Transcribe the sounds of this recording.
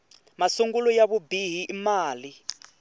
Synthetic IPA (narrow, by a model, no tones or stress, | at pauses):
masuŋɡulujaβubiɦiʔimaːli